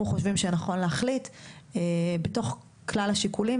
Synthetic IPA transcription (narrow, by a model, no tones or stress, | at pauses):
uχoʃvimʃenaχo̞nleaχlitebeto̞χ | klalhaʃikuli